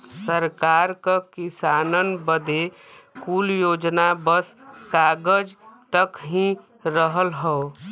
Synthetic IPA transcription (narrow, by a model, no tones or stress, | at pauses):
səɾkaːɾkakɪsaːnənbəd̪ʱe | kuljoːd͡ʒnabəskaːɡəd͡ʒt̪əkɦĩ | ɾəɦəlɦɛo